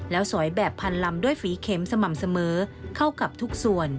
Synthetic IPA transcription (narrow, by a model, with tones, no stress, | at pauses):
lɛː˦˥wsɔ˩˦jbɛː˨˩pʰːa˧nla˧mdu˥˩əjfiː˨˦kʰeː˨˦˥msa˧ma˨˩msa˧mɤː˩˦˥kʰa˥˩wka˨˩p̚t̪ʰu˦˥k̚su˨˩ən